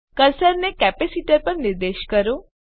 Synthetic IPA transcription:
kəɾsəɾnekɛpesiʈəɾpəɾnɪɾd̪eʃkəɾõ

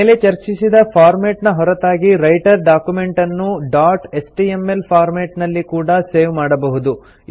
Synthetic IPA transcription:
le̞t͡ʃɐɾt͡ʃisid̪ɐpʰaːɾmeːʈnɐɦɔɾɐt̪aːɡiɾɐjʈɐɾɖaːkjume̞ɳʈɐnːuɖaːʈesʈiemːelpʰaːɾmeːʈnɐlːikuːɽɐseːʋmaːɽɐbɐɦud̪u

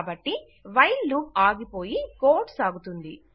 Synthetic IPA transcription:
bɐʈːi | ʋɐjlːuaːɡipoːjikoːɾʈsaːɡut̪und̪i

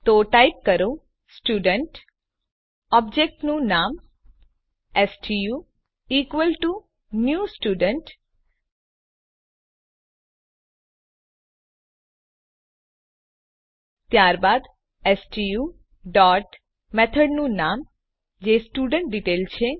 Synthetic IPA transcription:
t̪oʈaip̚kəɾõ | sʈuɖəɳʈ | ɔb̚d͡ʒek̚ʈnũnam | esʈiju | ikʋəlʈu | njusʈuɖəɳʈ | t̪jaɾbad̪ | esʈiju | ɖɔʈ | mɛt̪ʰəɖnũnam | d͡ʒesʈuɖəɳʈ̚ɖiʈelt͡ʃʰe

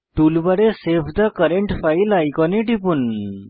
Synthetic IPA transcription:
ʈ̪ulbəɽesefd̪akəɾeɳʈfailajkɔneʈipuːn

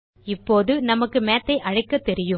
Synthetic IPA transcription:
ɪpːoːðɯnɐmɐkːɯmeːt̪ːɐɪʔɐɻɐɪkːɐt̪ːɛɾɪjɯ

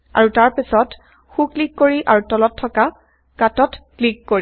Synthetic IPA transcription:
a̰ɹutaɹpisɔt | xuklikːoɹiʔaɹutɔlɔtʰːɔka | katɔtklikːoɹi

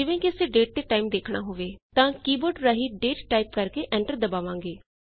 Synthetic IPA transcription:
d͡ʒɪʋẽːkiɪəseːɖeːʈ̚t̪eːʈaːimd̪eːkʰɳaːɦoːʋeːt̪ãːkiːboːɾɖɾaːɦiːɖeːʈʈaːiːpkəɾkeːʔɛ̃ːɳʈəɾd̪əbaːʋãːŋɡeː

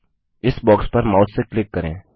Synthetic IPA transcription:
ɪsbɔːkspɐɾmaːt̪seklɪkːəɾḛ̃ː

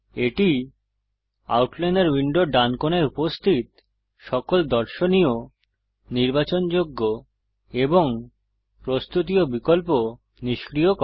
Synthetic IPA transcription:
eʈi | a̰wʈleneɾwiɳɖoɖankoneɾupost̪ʰit̪ | ʃɔkold̪ɔɾʃonio | niɾbat͡ɕond͡ʑoɡːo | eboŋ | pɾost̪ut̪̬iobikolpo | niʃkɾiokɔ

